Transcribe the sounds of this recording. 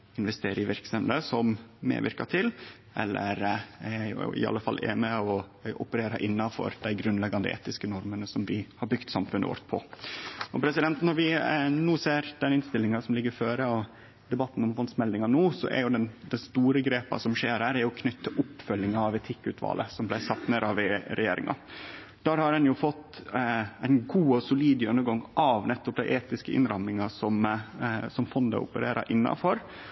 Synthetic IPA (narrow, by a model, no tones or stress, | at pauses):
ɪnʋɛst̪eːɾɪʋɪɾksəmd̪əsɔmmḛːʋɪ̰ɾkɑʈ̪ʰɪl | ʔɛ̰lːə̰ɾææɪj̰ʔɪ̰ɑ̰lːəfɑ̰lːʔḛːmɪɔʔʊpəɾeːɾɑʔɪnːɑnfɔ̰ɾd̪æɪɡɾʉnlɛɡɑnd̪əʔḛːt̪ɪskənɔɾmənəsɔmʋɪhɑɾbʏɡ̥t̪sɑmfʉnə̰ʋɔ̰ɾt̪pʰɔ̰ | ɔpʰɾɛsɪd̪ɛnt̪nɔɾʋɪnuːseːɾd̪ɛnɪnst̪ɪlɪŋɑsɔmlɪɡːəɾføːɾəɔ | d̪ɛbɑt̪ːn̩ɔmfɔnsmɛld̪ɪŋɑnuːsɔ̰ʔæ̰ɾjʊd̪ɛnd̪ɛnst̪uːɾəɡɾeːpɑ̰sɔmʂeːɾhæːɾæɾjʊkʰnʏt̪ːʰəʔʊpːfœljɪŋɑɑʋɛt̪ʰɪkːʉt̪ʰʋɑ̰ːlʔə̰sɔmblæɪsɑt̪ːneɾɑʋɾɛjḛːɾɪ̰ŋʔɑ̰ | d̪̥æːɾhɑɾɛnjʊfɔt̪ː | æɪnɡuːɔsʊliːd̪jœnːəɾɡɑŋʔɑʋnɛt̪ːɔp̚d̪æɪʔeːt̪ɪskəʔɪ̰nɾɑmnɪŋɑsɔm | sɔmfɔnd̪ə̰ʊ̰pəɾeːɾʔɑ̰ʔɪnːɑ̰fɔɾ